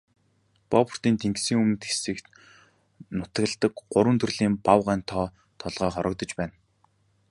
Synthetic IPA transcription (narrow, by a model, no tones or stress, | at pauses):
pɔp̆ʰr̥t̪iːnt̪ʰeŋɡsiːŋumnt̪xe̥sɘ̆k | nʊt̪ə̆ɣ̆ɮt̪ə̆kɢʊɾwə̆nt̪ʰɵ̆rɮiːmpawʁæːnt̪ʰɔː | t̪ʰɔɮʁœːχɔɾɞ̆k̚t̪ɞ̆t͡ɕpæːn